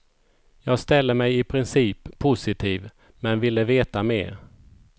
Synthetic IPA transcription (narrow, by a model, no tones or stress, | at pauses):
jɑːɡst̪ɛlːəmɛjɪpʰɾɪnsiːpʰːʊsɪt̪ʰiːv | mɛnvɪlːəveːt̪amḛːɾ